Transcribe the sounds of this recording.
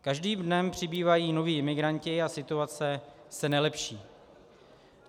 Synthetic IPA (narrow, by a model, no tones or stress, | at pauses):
kaʒdiːmdnɛmpr̝̥ɪbiːvajiːno̞viːʔɪmɪɡɾancɪasɪt̪uat͡sɛ | sɛnɛlɛpʃiː